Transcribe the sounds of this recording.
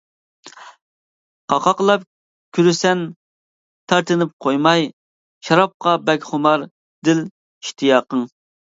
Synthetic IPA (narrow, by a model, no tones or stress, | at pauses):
qʰɑqʰɑqlˠɑp | kʲʰyɾysɛn | t̪ʰɑɾt̪ɨnɪp̚qʰojmɑj | ʃɑɾɑp̚qɑbɛkʲχʊmɑɾ | d̪̥ɪl | iʃt̪ʰɨjɑːqəŋ